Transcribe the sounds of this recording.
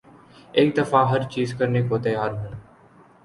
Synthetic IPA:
eːk̚d̪əfaɦəɾt͡ʃiːzkəɾnekot̪ɐjaːɾɦʊɳ

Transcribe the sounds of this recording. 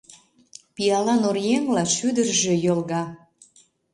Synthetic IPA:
pijɑlɑnorjeŋlɑʃyd̪ərʒejolɣɑ

